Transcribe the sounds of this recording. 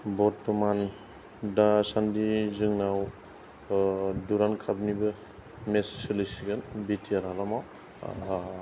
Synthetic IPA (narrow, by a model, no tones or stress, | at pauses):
bɔɾtːɔman | dasandizɯŋnaw | duɾankʰabnibɯ | messɯlisiɡɯnbitʰijaɾalamaw